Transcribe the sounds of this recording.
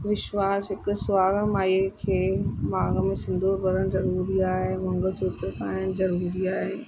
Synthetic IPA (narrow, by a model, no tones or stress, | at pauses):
ʋɪʃʋaːsɦɪkʊ̆sʊaːɡəɽ̃maːekʰeːmaːɡəmẽsɪ̃nd̪ʱoːɾbɐɾəɽ̃zɐɾuːɾiaːɦeʋɐ̃ŋɡəsʰuːt̪ɾkaːəɽ̃zɐɾuːɾiaːɦe